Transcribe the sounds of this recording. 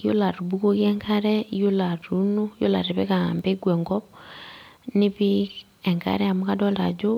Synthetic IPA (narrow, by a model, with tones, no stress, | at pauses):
jo̰˦la˨ɾu˨buko˦ɣjɛ˦ŋkʰa˦ɾɛjo˦la˨ɾu˦no˦jo̰˦la˨ɾi˨βɛ˦ka̰˨mbɛ˦ɡwɛ˨ŋɡɔ˦β | ni˦βi˦ | ɛ˨ŋka̰ɾɛa˨mukadɔ˦la˨d͡ʒo˦